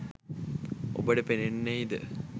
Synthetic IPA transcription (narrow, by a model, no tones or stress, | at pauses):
o̰bəɖəpenenːejid̪ə̰